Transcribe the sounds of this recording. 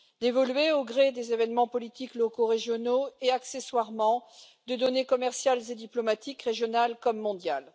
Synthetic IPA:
d̪evɔlɥeoɡʁed̪ezevɛnmɑ̃pɔlit̪iklɔkoʁeʒjɔnoeakseswaʁmɑ̃ | d̪əd̪ɔnekɔmɛʁsjalzed̪iplɔmat̪ikʁeʒjɔnalkɔmːɔ̃d̪jal

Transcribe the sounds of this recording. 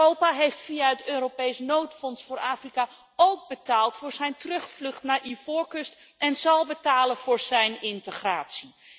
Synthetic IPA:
owpaɦejftfijaɦətøːɾowpejsnowtfɔnsfʊːɹaːfrika | owɡ̚bətaːlˠtfʊːɹzɛjntrɵχflɵχtnaːɹʔivʊːɹkɵstɛnzɑlˠbətaːlənvʊːɹz̥ɛjnɪntəχraːtsi

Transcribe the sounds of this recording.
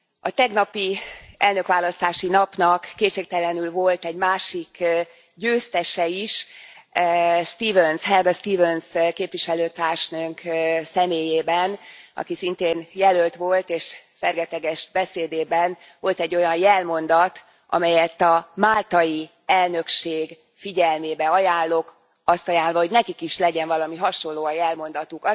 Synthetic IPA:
ɒt̪ɛɡnɒpiɛlnø̞kʋaːlɒst̪aːʃinɒpnɒkːeːtʃeːk̚t̪ɛlɛnylvo̞lt̪ɛɟmaːʃik | ɟøːst̪ɛʃɛiʃ | st̪iːvønshɛlɡɒst̪iːvønskeːpʋiʃɛløːt̪aːrʃnøŋksɛmeːjeːbɛnɒ̰kisint̪eːnjɛlølt̪ʋo̞lt̪eːʃ | fɛrɡɛt̪ɛɡɛʃbɛseːd̪eːbɛn | ʋo̞lt̪ɛɟːo̞jɒnjɛlmo̞nd̪ɒt̪ | ʔɒ̰mɛjɛt̪ːɒmaːlt̪ɒji | ɛlnø̞kʃeːɡ | fiɟɛlmeːbɛɒjaːlːo̞k | ɒst̪ɒjaːlvɒɦo̞ɟnɛkikiʃlɛɟɛɱvɒlɒmiɦɒʃo̞lːoːɒjɛlmo̞nd̪ɒt̪uk

